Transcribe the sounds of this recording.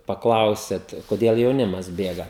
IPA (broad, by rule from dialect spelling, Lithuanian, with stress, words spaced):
pɐˈklˠɐʊsʲeːt koːˈdʲeːlˠ jɛʊˈnʲɪmɐs ˈbʲeːɡɐ